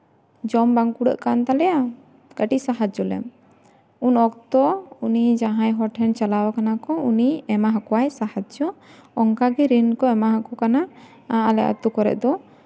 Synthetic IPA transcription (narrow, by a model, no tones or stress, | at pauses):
d͡ʒɔmbaŋkuɽə̰ʔkant̪alɛja | ɡ̥əʈisaɦad͡ʒd͡ʒɔlɛ̰m | unɔk̚t̪ɔunid͡ʒaɦãjɦɔʈʰɛnt͡ʃalawakanakɔuniɛmaɦakɔwajsahat͡ʃd͡ʒɔɔŋkaɡɛɾinkɔɛmaɦakɔkana | ãalɛ̰ʔa̰t̪ukɔɾɛ̰ʔd̪ɔ